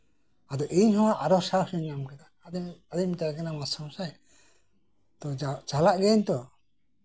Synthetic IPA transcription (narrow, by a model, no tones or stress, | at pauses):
ad̪ɔʔiɲhɔwaʔaɾɔsawsɛɲnamkɛd̪a | ad̪imt̪akɛnamasɔmsaj | t̪ɔt͡ʃalaʔɡɛɲt̪ɔ